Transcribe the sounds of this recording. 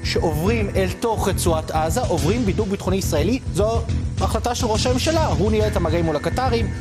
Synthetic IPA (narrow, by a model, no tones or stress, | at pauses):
ʃe̞ʔovʁimelto̞χet͡suatazaʔovʁimbiduɡ̚bitχuniisʁae̞lizoaχlataʃelʁo̞ʃame̞mʃalaɦunijeethamaɡaimulakataʁim